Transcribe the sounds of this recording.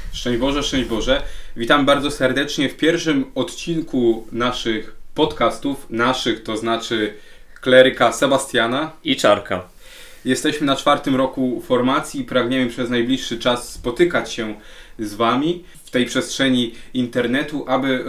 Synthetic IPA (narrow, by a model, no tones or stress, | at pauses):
ʂt͡ʂɛ̃ɲ̃d͡ʑbɔʐɛʂt͡ʂɛ̃ɲ̃d͡ʑbɔʐɛvʲit̪ambaɾd̪zɔsɛɾd̪ɛt͡ʂɲɛfpʲjɛɾfʂɘmɔt̪t͡ɕiŋkunaʂɘxpɔt̪kast̪ufnaʂɘxt̪ɔznat͡ʂɘ | klɛɾɘkasɛbast̪ʲjanait͡ʂaɾka̰ | jɛst̪ɛɕmɘnat͡ʂfaɾt̪ɘmɾɔkufɔɾmat̪sʲjipɾaɡɲɛmɘpʂɛznajblʲiʂːɘt͡ʂasːpɔt̪ɘkat͡ɕɕɛzvamʲi | ft̪ɛjpʂɛstʂɛɲiint̪ɛɾnɛt̪uʔabɘ